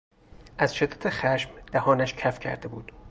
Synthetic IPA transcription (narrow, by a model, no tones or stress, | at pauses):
ʔæz̥ʃed̪ːæt̪ʰexæʃmd̪̥æhɒːnæʃcʰæfcʰæ̰ɾd̪ebuːd̪̥